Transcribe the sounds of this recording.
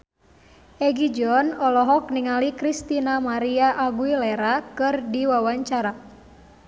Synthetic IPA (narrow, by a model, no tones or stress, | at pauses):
ʔɛɡid͡ʒɔnɔlɔɦɔk̚niŋalikɾist̪inamaɾiaʔaɡuilɛɾakɨrdiwawaɲt͡ʃaɾa